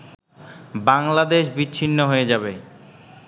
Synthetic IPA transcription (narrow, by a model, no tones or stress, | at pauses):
baŋlad̪eʃ̬biːɕʰinːoɦoed͡ʑabe